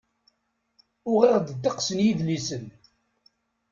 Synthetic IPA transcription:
ʊʁiʁd̪əd̪ɑqsənjiðlisən

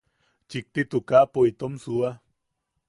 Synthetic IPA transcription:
t͡ʃik̚t̪it̪ukapoit̪omsua

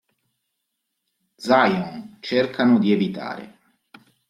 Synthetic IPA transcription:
d̪zajɔnt͡ʃerkʰanʊd̪ievit̪a̰ːɾḛ

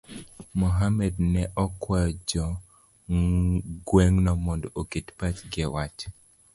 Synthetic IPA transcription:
mɔɦamɛdnɛʔɔkwɛjɔd͡ʒɔ | ɡweŋnɔmɔndoketpat͡ʃɡɛwat͡ʃ

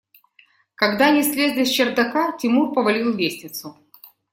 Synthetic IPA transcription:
kɐɡd̪anʲɪsʲlʲezʲlʲɪsʲt͡ɕɪrd̪ɐkatʲɪmurpəvɐlʲilˠlʲesʲnʲɪt̪sʊ

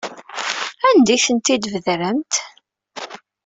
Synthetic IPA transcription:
ænd̪iθənt̪id̪vəðɾəmt̪

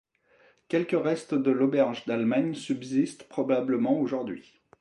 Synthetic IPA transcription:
kʲɛlkəʁɛst̪d̪əlɔbɛʁʒd̪almaɲsybzist̪pχɔbabləmɑ̃oʒuʁd̪ɥi

